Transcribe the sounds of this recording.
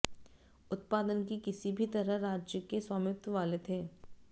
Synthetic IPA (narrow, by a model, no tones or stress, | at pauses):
ʊt̪̚paːd̪ənkikɪsibʱit̪ɐɾəɦɾaːd͡ʒjəkeswaːmɪp̚t̪əʋaːlet̪ʰeː